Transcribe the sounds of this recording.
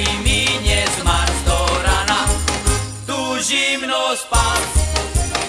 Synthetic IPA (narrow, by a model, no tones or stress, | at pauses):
miɲɛzmaʃt̪ɔɾana | t̪uːʒimnɔspa